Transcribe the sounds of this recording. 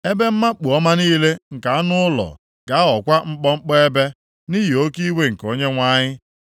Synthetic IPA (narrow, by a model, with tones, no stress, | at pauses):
e˦be˦m̩˦ma˦k͡pu˨ɔ˦ma˦niː˦le˦ŋ̩˨ka˨a˦nʊ˦ʊ˦lɔ̰˨ | ɡ̥a˨a˦ɔ˨kʷa˦ŋ͡m̩˦k͡pɔ˦ŋ͡m̩˦k͡pɔ˦e˦be˦ | ni˦ɦi˨o˦ki˦we˦ŋ̩˨ko˦ɲe˦ŋʷa˦ɲɪ˦